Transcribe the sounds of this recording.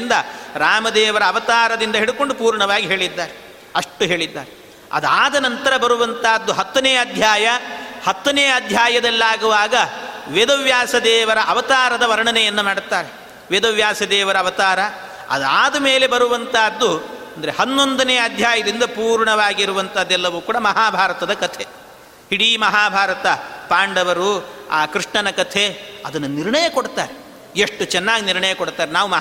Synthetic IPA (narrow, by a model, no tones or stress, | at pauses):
nd̪ɐɾaːmɐd̪ɛːʋɐɾɐːʋɐt̪aːɾɐd̪ind̪ɐɦeɽuko̞ɳɖupuːɾɳɐʋaːɡiɦe̞ːɭid̪ːaːɾe | ɐʂʈuɦe̞ːɭid̪ːaːɾe | ɐ̰d̪aːd̪ɐnɐnt̪ɐɾɐbɐɾuʋɐnt̪aːd̪ːuɦɐt̪ːɐneːɐd̪ʱjaːjɐhɐt̪ːɐneːɐd̪ʱjaːjɐd̪ɐlːaːɡuʋaːɡɐʋeːd̪ɐʋjaːsɐd̪ɛːʋɐɾɐʔɐʋɐt̪aːɾɐd̪ɐʋɐɾɐɳɐnɛjɐnːumaːɽt̪ːaːɾe | ʋeːd̪ɐʋjaːsɐd̪ɛːʋɐɾɐʋɐt̪aːɾɐ | ɐ̰d̪aːd̪ɐmeːle̞bɐɾuʋɐnt̪ʰaːd̪ːuɐnd̪ɐɾehɐnːo̞nd̪ɐnɛjɐd̪ʱjaːjɐd̪ind̪ɐpuːɾɳɐʋaːɡiɾuʋɐnt̪ʰɐd̪ːɛlːɐʋuːkuːɽɐmɐɦaːbʱaːɾɐt̪ɐd̪ɐkɐt̪ʰe | hiɽimɐɦaːbʱaːɾɐt̪ɐpaːɳɖɐʋɐɾuaːkɾiʂɳɐnɐkɐt̪ʰeɐd̪ɐnːɐniɾɳɐjɐkoɽt̪aːɾe | eʂʈut͡ʃɛnːaːɡiniɾɳɐjɐkoɽt̪aːɾenaːʋumɐɦ